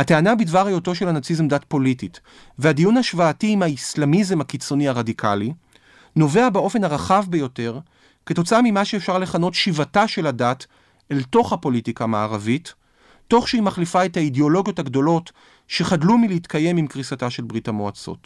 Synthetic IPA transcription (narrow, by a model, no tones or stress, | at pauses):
hateanabidvaʁajo̞to̞ʃelhanat͡sizemdatpo̞litit | vehadijunaʃvaːtiːmhaislamizemhakit͡so̞niaʁadikʰali | no̞ve̞abeo̞fe̞nhaʁaχavbejo̞te̞ʁ | ke̞to̞t͡saamimaʃeːfʃaʁle̞χano̞tʃivataʃe̞lhadat | elto̞χhapo̞litikamaːʁavitː | o̞χʃeimaχlifaethaideo̞lo̞ɡijo̞thaɡdo̞lo̞t | ʃe̞χadlumileitkaje̞mimkʁisataʃe̞lbʁithamoat͡so̞̰t